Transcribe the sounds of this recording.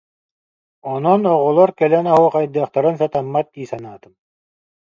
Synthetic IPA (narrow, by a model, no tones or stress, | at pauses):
ɔnɔnɔʁɔlˠɔɾkɛlɛnaɦuqajd̪ɯːχt̪aɾɯns̬at̪amːat̪̚iːsanaːt̪ɯm